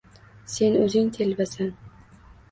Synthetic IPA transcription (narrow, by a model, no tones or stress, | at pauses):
se̞nɵzɪŋt̪ʰelvasan